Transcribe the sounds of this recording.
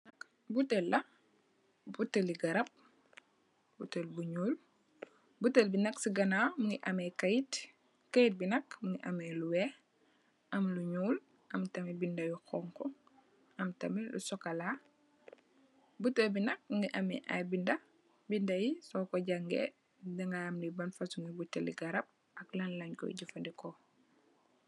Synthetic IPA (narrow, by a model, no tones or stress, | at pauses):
k | butelːɐ | butəliɡɐɾɐp̚ | butəlbuɲuːl | butelbinɐksiɡɐnamuŋɡiʔɐmɛkɐjit | kajit̚binɐkmuŋɡiʔɐ̰mɛluwɛ | ʔɐmluɲuːl | ʔɐmtɐmibindɐjuxɔːŋkɔ | ʔɐmtɐmilṵsɔkɐla | butəlbinɐk̚muŋɡiʔɐmɛ̰ʔa̰jbindɐ | bindɐjisɔːkɔɟaŋɡḛ | dɛŋɡaːmlibɐnfɐsuŋɡibutːɐlḭɡɐɾɐp̚ | ɐklɐnlɐɲkɔ̰ɟufɐndikɔ